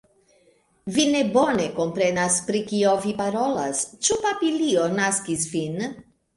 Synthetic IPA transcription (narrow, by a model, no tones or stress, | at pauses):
vine̞bo̞ne̞ko̞mpɾe̞naspɾikio̞vipaɾo̞la̰st͡ʃupapilionaskisvin